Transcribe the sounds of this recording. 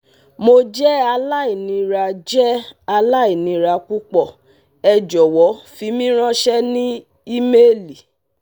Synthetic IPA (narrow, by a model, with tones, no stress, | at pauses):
mo˧d͡ʒɛ˦a˧la˦i˨nĩ˧ɾa˧d͡ʒɛ˦a˧la˦i˨nĩ˨˧ɾa˧ku˦k͡pɔ˦˨ | ɛ˧d͡ʒɔ˨wɔ˨˦fi˨˧˦mĩ˦ɾ̃ã˦ʃɛ˦nĩ˦ | i˦me˦˨li˨